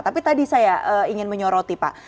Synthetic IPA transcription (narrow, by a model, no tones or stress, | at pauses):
t̪apit̪adisajaʔəiŋɪnməɲɔɾot̪ipa̰ʔ